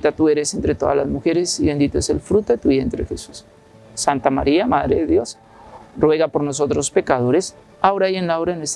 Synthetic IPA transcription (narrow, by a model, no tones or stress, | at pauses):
t̪at̪ue̞ɾe̞sent̪ɾe̞t̪o̞ða̰la̰zmuxe̞ɾesiβe̞nd̪it̪oese̞lfɾut̪o̞ðet̪uβjent̪ɾḛxesu̥sː | ant̪ama̰ɾiamaðɾḛðeðjo̞s | rwe̞ɣapo̞ɾno̞so̞t̪ɾospe̞kaðo̞ɾes | aoɾajenlaaoɾaenwes